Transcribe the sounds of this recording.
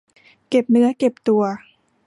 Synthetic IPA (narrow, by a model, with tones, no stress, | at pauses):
ke˨˩p̚nɯ˦˥ɐke˨˩p̚t̪u˨˩ɐ